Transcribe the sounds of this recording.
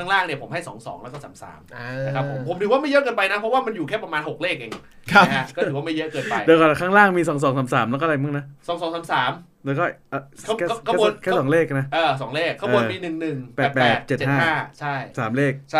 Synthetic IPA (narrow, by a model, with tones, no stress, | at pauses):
a˥˩ŋlaː˥˩ŋni˩ɐpʰo˩˦mɦa˥˩jsɔː˩˦ŋsɔː˩˦ŋlɛ˦˥kɔː˥˩saː˩˦msa̰ː˩˦m˧a˧kʰa˦˥pʰːo˩˦mpʰo˨˩˦mt̪ʰɯ˨˦waː˥ma˥˩jɤ˦˥ʔkɤː˧npa˧jna˦˥pʰɔ˦˥waː˥˩ma˧njuː˨˩kʰɛː˥˩pɾa˧maː˧nɦo˨˩k̚leː˥˩k̚ʔa˨˩ŋi˨˩a˦˥˦kʰa˦˥kɔ˥˩˧ɯ˩˦waː˥˩ma˥˩jɤ˦˥ʔkɤː˧nnpa˧jdeː˧kɔ˨˩kʰaː˥˩ŋlaː˥˩ŋmiː˧sɔː˩˦ŋsɔː˩˦ŋsaː˩˦msaː˩˦mlɛ˦˥kɔː˥˧˩a˧jma˥˩na˦˥sɔː˨˩˦ŋs̬ɔː˨˩˦ŋsaː˩˦msaː˩˦m | dɤː˧˦˧kɔː˥˩ʔːʰkʰːkʰːnʰɛː˥˩sɔː˩˦ŋleː˥˩k̚na˦˥ʔɤː˧˩s̬ɔː˩˦ŋleː˥˩kʰːa˧˥bu˧˩npiː˧nɯ˨˩ŋnɯ˨˩ŋpɛː˨˩t̪̚pɛpːt̪̚t͡ɕe˨˩tt͡ɕe˨˩hːhaː˥˩t͡ɕʰa˥˩jsaː˩˦mleː˥˩k̚t͡ɕʰa˦˥˩